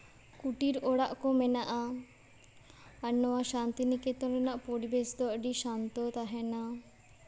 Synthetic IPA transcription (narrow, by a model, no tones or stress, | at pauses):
kuʈiɾɔɽaʔkɔmɛnaʔa | ənːɔwaʃant̪inikɛt̪ɔɾɔnaʔpoɽibesd̪ɔʔɖiʃant̪ɔt̪aɦɛna